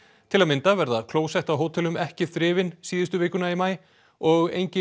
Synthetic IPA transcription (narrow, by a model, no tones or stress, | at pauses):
t̪ʰɪlaðmɪnt̪avɛɾðaðkʰloːwsɛht̪awɦoːwt̪ʰɛlʏmɛhcɪθɾɪːvɪnsiːðɪst̪ʏvɪːkʏnaimaːj | ɔɣḛjɲcɪ